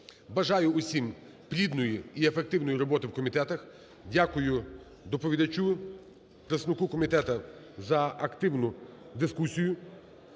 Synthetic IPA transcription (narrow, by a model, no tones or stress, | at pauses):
bɐʒɑjʊʊsʲim | pɾʲid̪nɔjiiefek̚t̪ɪwnɔjiɾɔbɔt̪ɪwkɔmʲit̪ɛt̪ɐx | dʲakʊjʊ | d̪ɔpɔʋʲid̪ɐt͡ʃʲu | pɾesnʊkukɔmʲit̪ɛt̪ɐ | zɐɐkt̪ɪwnʊd̪ɪskusʲijʊ